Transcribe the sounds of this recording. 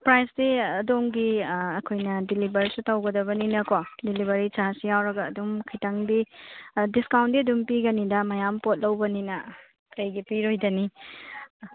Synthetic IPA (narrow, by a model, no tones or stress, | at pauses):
pɾajsdiɐdomɡiɐkʰojnɐdilibɐɾsutɐwɡɐdɐβɐninɐkodilibɐɾit͡ʃasijawɾɐɡɐːdumkʰitɐŋbidiskawntdiɐdumpiɡɐnidɐmɐjampot̚lɐwbɐninɐ | kɐjɡipiɾojdɐni